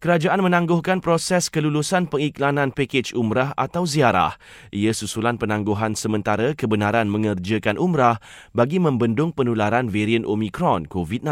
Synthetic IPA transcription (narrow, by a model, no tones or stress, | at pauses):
kəɾad͡ʒaʔanmə̃nãŋɡʊhkanpɾosɛskəlulusanpəŋiklanãnpeket͡ʃumɾaɦa̰t̪awziaɾa̰h | ʔiəsusulanpənãŋɡuɦansəmə̃nt̪aɾəkəbənaɾanmə̃ŋərd͡ʒəkanʔumɾah | baɡimə̃mbəndʊŋpənulaɾanveɾiənʔomĩkɾɔnkovit̪̚nã